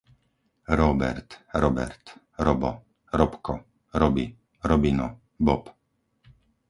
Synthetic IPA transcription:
ɾɔbɛ̰ɾt̪ɾɔbɛ̰ɾt̪ | ɾɔbɔ | ɾɔpkɔ | ɾɔbi | ɾɔbinɔ | bɔp

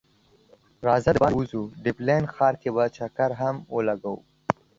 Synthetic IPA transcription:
ɾɑzad̪bɑuzuɖɪblenxɑːɾkebat͡ʃakaɾɦamwəlaɡawṵ

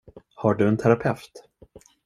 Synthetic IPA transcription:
haɖɵɛnt̪ʰæɾapʰɛft̪

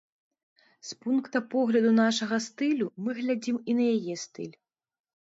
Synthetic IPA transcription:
spunkt̪ɐpɔɣlʲɐd̪unaʂɐɣɐst̪ɨlʲumɨɣlʲad͡zʲiminɐjajɛst̪ɨ̰lʲ

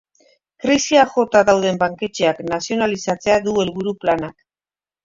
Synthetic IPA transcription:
kɾisiaʝo̞t̪aðawð̞e̞mbaŋke̞t͡ʃe̞aknasio̞nalisat͡se̞aðue̞lβuɾuplanak

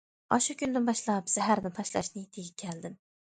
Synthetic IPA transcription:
ɒʃukʲʰynd̪ɪnbɑʃlˠɑpz̥æɦæɾnɪt̪ʰɑʃlɑ̰ʃnɪt̪ʰeɡʲɪkʲʰæld̪ɪm

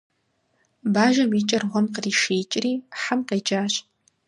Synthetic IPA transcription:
baːʒɐmiːt͡ʃʼɐrʁʷɔmqəriːʃeːt͡ʃʼriːħamqejd͡ʒaːɕʼ

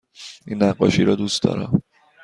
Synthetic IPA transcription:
ʔinːæɢːɒ̰ːʃiɾɒːd̪ust̪d̪ɒ̰ːɾɒ̰m

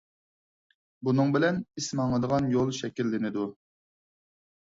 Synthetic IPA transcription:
bunɨŋbɪlɛnismɑŋləd̪əʁɑnjolˠʃɛkʲilːɪnɪd̪u

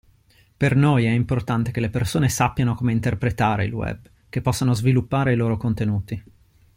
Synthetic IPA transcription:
pernojɛimport̪ant̪ek̟elepersoːnesapːjanokomeint̪erpɾet̪aːɾḛḭlwɛ̰b | k̟epːɔsːanozvilupːaːɾeiloːɾokont̪enuːt̪i

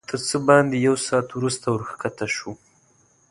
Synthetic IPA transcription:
t̪əɾt͡səbɑnd̪ejawsɑːt̪wɾust̪awəɾxkat̪aʃu

